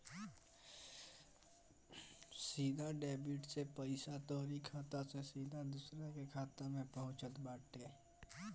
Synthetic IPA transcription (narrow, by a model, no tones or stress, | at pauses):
siːd̪ʱaɖeːbiʈsepəɪsat̪ɔːɾikʰaːt̪asesiːd̪ʱad̪ʊsɾakekʰaːt̪amẽpəɦʊ̃t͡ʃət̪baːʈeː